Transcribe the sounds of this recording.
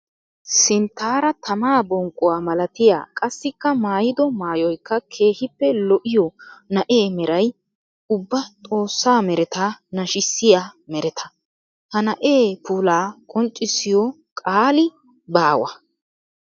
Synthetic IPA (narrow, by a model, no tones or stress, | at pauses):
sɪnt̪ːaːɾɐt̪ʰɐmaːbɔŋkʼːʊwaːmɐlɐt̪ɪja̰ːkʼɐsːɪkːɐmaːjɪd̪ɔmaːjɔjkːɐkʰe̞ːhɪpːɛlɔʔɪjɔnɐʔe̞ːmɛɾɐj | ʊbːɐt̪ʼo̞ːsːaːmɛɾɛt̪anɐʃɪsːɪjaːmɛɾɛt̪ʰɐ̥ | hɐnɐʔeːpuːlaːkʼɔnt͡ʃʼːɪsɪjɔ | kʼaːlɪ | baːwɐ̰